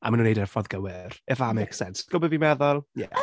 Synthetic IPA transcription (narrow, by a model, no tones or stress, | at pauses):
a̰manunejdɛrfɔðɡəwɪrɛvamejksɛnsɡ̥ɔbɔvimɛðɔlˠjɛ̰